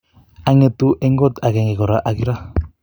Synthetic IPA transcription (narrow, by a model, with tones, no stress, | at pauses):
a˦ŋet̪u˦ʔe˦ŋɡo˦t̪a˨ɡe˨ŋɡe˨ko˨ɾaʔaɡiɾa˦